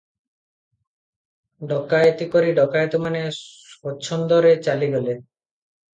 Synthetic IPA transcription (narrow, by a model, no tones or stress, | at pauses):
ɖɔkajt̪ikoɾiɖɔkaet̪omane | ɔtːɕʰɔnd̪oɾet͡ɕaliɡɔle